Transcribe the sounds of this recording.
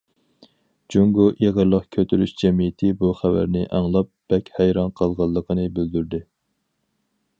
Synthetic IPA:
d͡ʒuŋɡuʔeʁəɾlˠəqkʲʰøt̪ʰyɾyʃd͡ʒɛmijɪt̪ʰɪbuχævæ̰ɾnɪʔæŋlˠɑp̚b̥ɛkʲhɛjɾɑnqʰəlˠʁɑlˠːəqʰənɨbɪld̪yɾd̪ɪ

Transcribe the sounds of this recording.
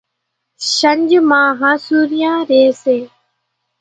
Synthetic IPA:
ʃəɲd͡ʒmãːɦãːsuːɾɪjãːɾeːseː

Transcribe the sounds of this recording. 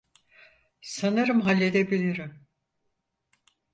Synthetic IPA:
sanɯɾɯmɦalʲːe̞d̪ebilʲiɾim

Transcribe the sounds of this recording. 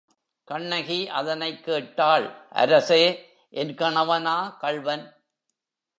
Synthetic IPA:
kɐɳːɐɣiʔɐðɐnɐɪkːeːʈːaːɭʔɐ̰ɾɐseː | ʔɛnkɐɳɐʋɐnaːkɐɭʋɐn

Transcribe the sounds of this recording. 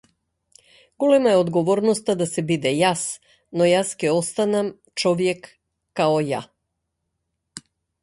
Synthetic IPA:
ɡ̥ɔlɛmaɛɔd̪ɡɔvɔɾnɔst̪ad̪asɛbid̪ɛjas | nɔjascɛɔst̪anam | t͡ʃɔvjɛkː | aɔja̰

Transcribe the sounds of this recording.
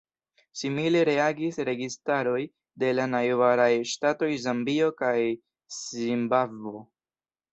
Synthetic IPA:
simile̞ɾe̞aɡisɾe̞ɡistaɾo̞j | de̞lanajvaɾajʃtato̞jzambio̞kaj | simbavo̞

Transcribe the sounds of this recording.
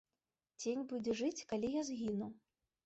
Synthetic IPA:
d͡zʲenʲbud͡zʲɛʐɨt͡sʲkalʲijazɣʲinu

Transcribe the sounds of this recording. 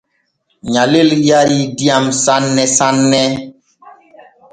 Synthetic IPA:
ɲaleljaɾidiamsanːɛsanːɛ

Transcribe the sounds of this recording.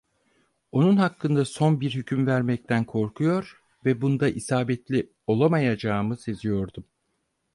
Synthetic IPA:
o̞nunhakːɯnd̪aso̞nbiɾhycʰymvæɾmɛc̚t̪ʰænkʰo̞ɾkʰujo̞ɾ | vɛbund̪aʔisaːbɛt̪lʲi | o̞lˠamajad͡ʒaːmɯse̞zijo̞ɾd̪um

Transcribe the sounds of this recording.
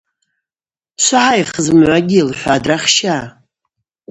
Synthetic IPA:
ʃʷaʕajχəzmʕʷaɡʲɪilħʷaːdraχʃaː

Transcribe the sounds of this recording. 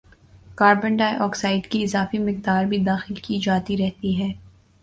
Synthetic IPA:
kaːɾbə̃ɳɖaːeʔɔːksaːɪɖkiɪzaːfimɪqd̪aːɾbʱid̪aːxɪlkid͡ʒaːt̪iɾɛɦt̪iɦɛː

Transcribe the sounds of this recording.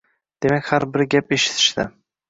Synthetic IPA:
d̪̥e̞makʲhaɾbɪɾɡʲape̞ʃɪ̥t̪ʰɪ̥ʃt̪ɪ̰

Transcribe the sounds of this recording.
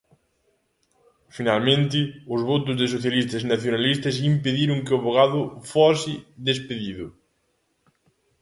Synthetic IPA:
finalmẽnt̪ɪʊzβot̪ʊzðɪs̬oθjalist̪ɐznaθjonalist̪ɐs̬impeðiɾʊŋkɪʊβoɣ̞aðʊfosɪðespeðiðʊ

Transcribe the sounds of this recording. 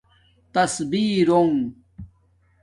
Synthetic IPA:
t̪ɐsbiːɾoŋ

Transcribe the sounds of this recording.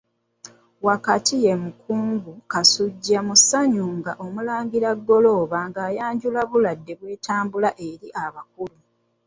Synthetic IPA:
wakatije̞mukʰuːŋɡukasuɟːamusaɲuːŋɡaʔo̞mulaːŋɡiɾaɡːo̞loːβaŋɡaːjaːɲɟulaβuladːe̞βwe̞ːtaːmbulaʔe̞ɾiʔaβak̚ulu

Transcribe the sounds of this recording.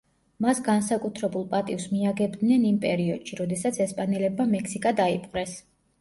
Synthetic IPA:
masɡansakʼut̪ʰɾɛbulˠpʼat̪ʼifsmiaɡɛbd̪nɛnimpʼɛɾiɔd̪̥ʃiɾɔd̪ɛsat̪sʰɛspʼanɛlɛbmamɛksikʼad̪aipʼqʼɾɛs

